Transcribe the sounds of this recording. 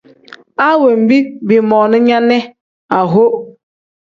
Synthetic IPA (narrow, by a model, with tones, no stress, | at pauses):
a˦we˨m̩˨bi˦bi˨mɔ˨nʊ˦ɲa˦ne˦ | a˨ɦo˦